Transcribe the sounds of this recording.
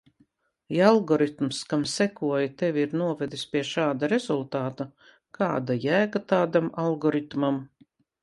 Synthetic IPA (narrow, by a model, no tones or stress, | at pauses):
ialˠɡɔɾit̪mskamsɛkuɔjat̪evʲiɾnuɔvɛd̪ispʲiɛʃaːd̪aɾezulˠt̪aːt̪a | kʰaːd̪ajæːɡat̪aːd̪amalˠɡɔɾit̪mam